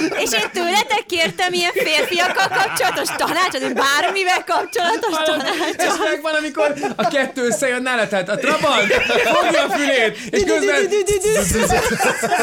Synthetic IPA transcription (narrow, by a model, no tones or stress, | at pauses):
eːʃeːnt̪øːlɛt̪ɛkːeːrt̪ɛmijɛɱfeːrfijɒkːɒlkɒp̚t͡ʃo̞lɒt̪o̞ʃt̪ɒnaːt͡ʃot̪ebaːɾmivɛlkɒpt͡ʃo̞lɒt̪oʃt̪naːikbɒnɒmiko̞rɒkɛt̪ːøːøsːɛjønːalɛt̪ɛt̪ɒt̪rɒbɒnfont̪ɒfyleːt̪ | eːʃkøzbɛn